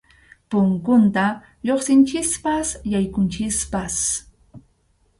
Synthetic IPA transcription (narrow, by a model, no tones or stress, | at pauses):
pʊŋkʊnt̪a | joχsɪnt͡ʃɪspasjajkʊnt͡ʃɪspas